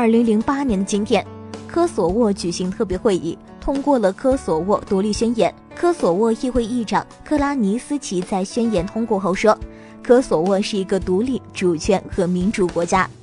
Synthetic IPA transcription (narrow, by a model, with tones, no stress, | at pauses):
ə˞˥˩li˧˥ŋli˧˥ŋpa˥njɛ˧˥nd̪ə˧t͡ɕi˥nt̪ʰjɛ˨˩˦nkʰɤ˥swɔ˨˩wɔ˥˩t͡ɕy˨˩ɕi˧˥ŋt̪ʰɤ˥˩p̬jɛ˧˥xwe˥˧ɪʔḭ˥˩ | t̪ʰʊ˥ŋkwɔ˥˩lə˩kʰɤ˥swɔ˨˩wɔ˥˩t̪u˧˥li˥˩ɕɥɛ˥njɛ˧˥n | kʰɤ˥swɔ˨˩wɔ˥˧i˥˧xwe˥˧ɪi˥˩ʈ͡ʂɑ˨˩˦ŋkʰɤ˥˧la˥ni˧˥sɹ̩˥t͡ɕʰi˧˥t͡sa˥˩ɪɕɥɛ˥njɛ˧˥nt̪ʰʊ˥ŋkwɔ˥˧xo˥˩ʊʂwɔ˥ | kʰɤ˥swɔ˨˩wɔ˥˧ʂɻ̩˥˩i˧˥ɡə˧t̪u˧˥li˥˩ʈ͡ʂu˨˩t͡ɕʰɥɛ˧˥nxɤ˧˥mi˧˥nʈ͡ʂu˨˩kwɔ˧˥t͡ɕja˥